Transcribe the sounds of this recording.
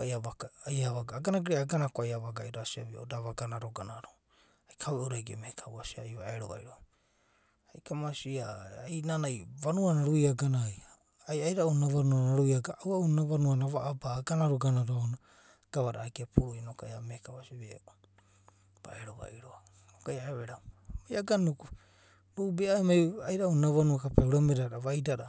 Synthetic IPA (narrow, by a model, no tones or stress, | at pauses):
aiaβaajaβaɡaːɡanaɡiɾaaɡanakoajaβaɡaiɾasiaβio̰daβaɡanaɾoɡanaɾo | ajkʰaweʔoɾajɡeamekʰawasia̰jβaeɾoβa̰iɾo | ajkʰamasiaajnanajβanuanaɾujaɡanaj | ajajɾaunaβanuanaɾujaɡaawaunaβanuanaβaʔːbaɡanaɾuɡanaɾoona | ɡ̥aβaɾaːkiapuɾujnokajamekawasiβḛo | ba̰eɾoβa̰iɾo | nokajaeβeɾawmajaɡanuku | ɾuubeaemajajɾaunaβanuakapeuɾameɾaɾaβajdaɾa